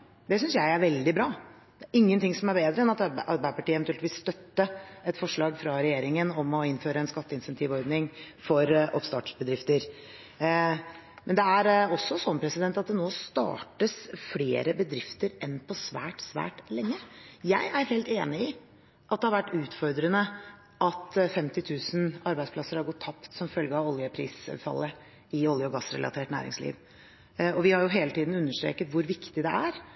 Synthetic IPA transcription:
d̪ɛsʏnsjæɪæɾʋɛld̪ɪbɾɑː | d̪̥ɛæɾʔɪŋːənt̪ʰɪŋsɔmæɾbeːd̪ɾəɛnɑt̪ʔɑɾbæɪəpɑʈiːəɛnt̪ʉɛlt̪ʋiːst̪œt̪ːəɛt̪fɔʂɭɑːɡfɾɑɾɛjeːɾɪŋənɔmɔɪnføːɾəɛnskɑt̪ːəɪnsɛnt̪ʰiːʋɔɾd̪nɪŋ | fɔɾʔɔ̰pst̪ɑːʈʂbəd̪ɾɪft̪əɾ | mɛnd̪ɛæɾɔsːɔsɔnpʰɾɛsɪd̪ɛnt̪ɑt̪̚d̪ɛnoːst̪ɑ̰ːʈəsfleːɾəbəd̪ɾɪft̪əɾɛnpʰɔsʋæ̰ːʈsʋæ̰ːʈlɛŋːəjæɪʔæɾheːlt̪eːnɪɪ | ʔɑt̪̚d̪ɛhɑɾʋæʈːʉːt̪fɔɾd̪ɾənə | ʔɑt̪fɛmt̪ɪt̪ʰʉːsənɑɾbæɪspʰlɑsːəɾhɑɾɡɔt̪ʰːɑpt̪sɔmfœlɡəɑʋɔljəpʰɾḭːsfɑ̰lːə | ɪɔljəɔɡɑsːɾɛ̰lʔɑ̰t̪ʰeːʈnæ̰ːɾɪ̰ŋslḭːʋ | ɔʋɪhɑɾjʊɦeːlət̪ʰiːd̪n̩ʉnːəʂʈɾḛːkət̪ʋʊɾʋɪkt̪ɪd̪ɛʔæɾ

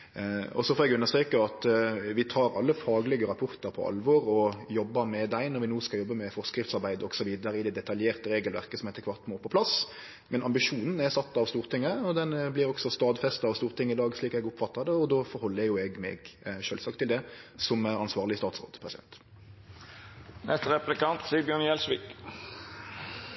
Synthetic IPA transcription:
ɔ̰sɔfɔːɾɛɡʉnːəɾst̪ɾeːkəɑt̪ʋɪt̪ʰɑːɾɑ̰lːəfɑːɡlɛɡəɾɑpʰʊɾt̪əɾpʰɔ̰ʔɑ̰lʋɔɾɔjɔbːəmɛd̪æɪnɔɾʋɪnoːskɑljɔbːəmɛfɔʁskɾɪft̪sɑɾbæɪd̪əɔɡsɔʋiːd̪əɾəɪd̪ɛd̪ɛt̪ɑljeːʁt̪əɾeːɡəlʋæ̰ʁkəsɔmɛt̪ːəkʰʋɑʁt̪moːpʰɔpʰlɑs | mɛnɑmbɪʂuːnn̩æsɑt̪ːɑʋst̪uːʁt̪ʰɪŋːəɔd̪ɛnblɪɾɔɡsɔst̪ɑːd̪fɛst̪ɑɑʋst̪uːʁt̪ʰɪŋːəɪd̪ɑːɡsɭiːkɛɡʊpfɑt̪ːɑd̪əɔd̪oːfɔɾhɔlːəæjʊɛɡmɛ̰ɡʃøːlsɑk̚t̪ʰːɪld̪ɛsɔmɑnsʋɑːʁlɪst̪ɑːt̪sʁo̰ːd̪pʰɾʁɛsɪd̪ɛ̰nt̪ | nʔɛst̪əɾɛplɪkɑnt̪siːbjøːnjɛlsʋiːk

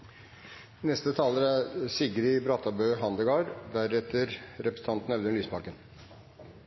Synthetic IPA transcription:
nɛst̪ət̪ʰɑːləɾæɾsɪɡəɾɪbɾɑt̪ɑbøːɦɑnd̪əɡɑːɾd̪æɾɛt̪ʰəɾɾɛpɾəsəɑnt̪n̩ɛʋd̪ɛnyːspɑkən

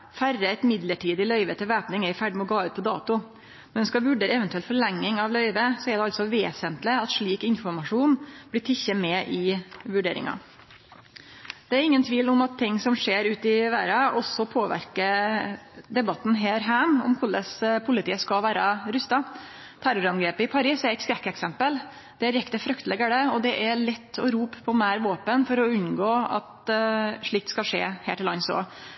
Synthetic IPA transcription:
færəɛt̪mɪd̪ləʈiːd̪ɪlœʏʋət̪ʰɪlʋæːpnɪŋɛɪfæɖɪmʊɡɑːʉːt̪̚pʰɔd̪ɑ̰ːt̪ʊ | ɛnskɑʋʉɖeːɾəɛʋɛnt̪ʉɛlfɔɭɛŋːɪŋɑʋlœʏʋəsɔɛɖɛɑlt̪sɔʋeːsənt̪lɪɑt̪ʂɭiːkɪnfɔɾmɑʂuːnb̥lɪʈ̪ʰɪçːəmɛːʔɪʋʉɖeːɾɪ̰ŋɑ̰ | d̪̥ɛæɾɪŋːənt̪ʰʋiːlʊmɑt̪ʰːɪŋːsɔmʂeːɾʉːt̪ɪʋæːɾɑɔsːɔpʰoːʋæ̰ɾkə | d̪ɛbɑt̪ːn̩ɦeːɾɦæːmɔ̰mkʰʊləspʰʊlɪt̪ʰiːəskɑlʋæːɾɑɾʉst̪ɑ | t̪ʰæɾʊɾɑnɡɾeːpəɪpʰɑɾiːsɛɾɪkskɾɛkːɛksɛmpəl | d̪̥ɛæɾjɛkt̪əfɾʉkt̪əlɛɡəɽəɔd̪ɛʔæɭɛt̪ʰːɔ̰ɾuːppʰɔmæːɾʋoːpənfɔɾɔʉnːɡoːɑ̰t̪ | ʂɭiːk̚t̪skɑʂḛːhḛːʈɪlɑnso̰ː

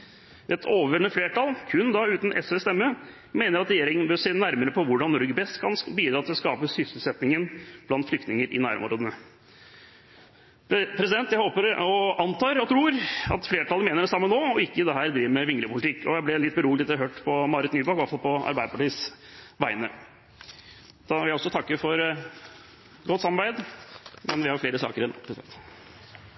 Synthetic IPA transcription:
ɛt̪ʰoːʋəʋəɳəfleːʈɑlkʰʉnd̪ɑʉːt̪nʔɛ̰sʋɛst̪ɛmːə | meːnəɾɑt̪ɾɛjeːɾɪŋənbøːseːnæɾməɾəpʰɔʋʊɖɑnːɔɾɡəbɛst̪kʰɑnbiːd̪ɾɑːt̪ʰɪlɔskɑ̰ːpəsʏssl̩sɛt̪nɪŋənb̥lɑnt̪flʏkt̪nɪŋəɾʔɪ̰næ̰ːɾə̰mʊ̰ɾoːd̪ənə | pʰɾɛs̬ɪd̪ɛnt̪jæɪhoːpəɾɔɑnt̪ɑːɾɔt̪ʰɾuːɾɑ̰t̪fleːʈʰɑləmeːnəɖɛsɑmːənoːɔɪkːəd̪ɛɦæːɾd̪ɾiːʋəmɛʋɪŋɾəpʰʊlɪt̪ʰɪkːɔjæɪb̪ɛlɪt̪̚ːbəɾuːlɛt̪ːɾɦøːʈpʰɔmɑɾət̪nyːbɑkɔʋɑfɑlpʰɔɑ̰ɾbæɪd̪əpɑʈiːs | ʋæɪnə | d̪̥ɑɪlæɔsɔt̪ʰɑkːəfɔɾ | ɡɔt̪sɑmɑɾbæɪd̪mɛnʋɪhɑɾfleːɾəsɑ̰ːkəɾɛn̰ːpʰɾɛsɪd̪ɛ̰nt̪

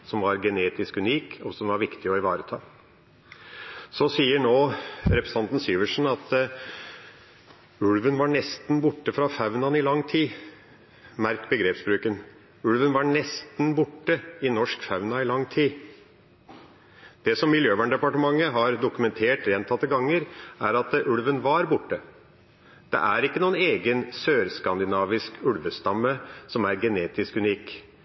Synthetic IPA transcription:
sɔmʋɑɾɡɛneːt̪ɪskʉniːkɔsɔmʋɑɾʋɪkt̪ɪɔɪʋɑ̰ːɾət̪ʰɑ̰ː | sɔsiːəɳoːɾɛpɾəsəɑnt̪n̩syːʋəʂɳ̩ɑt̪ | ʉlʋənʋɑɳɛst̪n̩bʊʈːəfɾɑfɑʉnɑnɪlɑŋːt̪ʰiː | mæɾkbəɡɾeːpsbɾʉːkən | ʉlʋənʋɑɳɛst̪nbʊʈːəɪnɔʂkfɑʉnɑɪlɑŋt̪ʰiː | d̪̥ɛsɔmːɪljøːʋæɳɖɛpɑʈəmɑŋːəɦɑɾd̪ʊkʉmɛnt̪ʰeːʈɾɛnt̪ʰɑt̪ːəɡɑŋːəɾæɾɑt̪ʔʉlʋənʋɑɾbʊʈːə | d̪̥ɛ̰ʔæɾɪkːənuːəneːɡənsøːɾskɑnd̪ɪnɑːʋɪskʉɽʋəst̪ɑmːəsɔmæɾɡɛneːt̪ɪskʉniːk

